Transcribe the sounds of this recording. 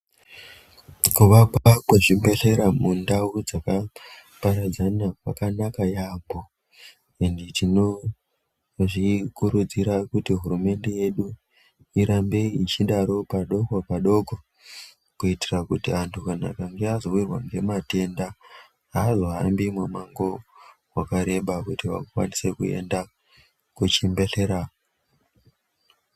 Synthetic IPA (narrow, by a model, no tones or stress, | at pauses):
kuʋakwakweʐimbe̞ɬe̞ɾamundaud͡zakapaɾad͡zanawakanakajaːmbo | enditino̞ | ʐikuɾud͡ziɾakutiɦuɾume̞nde̞je̞ɗu | iɾambe̞iit͡ʃiɗaɾo̞paɗo̞ɡʱopaɗo̞ɡʱo | kuitirakutiantʰukana̰kaŋɡeazo̞wirwa̰ŋɡe̞mate̞nda | ɦaːzo̞ɦambimwemaŋɡo̞ | wakaɾe̞ɓakutiʋa̰kakwa̰nise̞kuḛnda | kut͡ʃimbeɬe̞ɾa